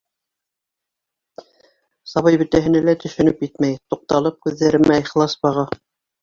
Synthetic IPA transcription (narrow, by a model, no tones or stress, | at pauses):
sɑβɤjbɘ̆t̪æɦɘ̆nælæt̪ɵ̆ʃɵ̆nɵpjɘt̪mæjt̪uq̚t̪ɑlˠɤp̚kʉðːæɾɘmæjχlˠɑsbɑʁɑ